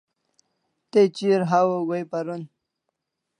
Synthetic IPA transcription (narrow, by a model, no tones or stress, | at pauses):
t̪et͡ɕiɾɦawoɡojpaɾun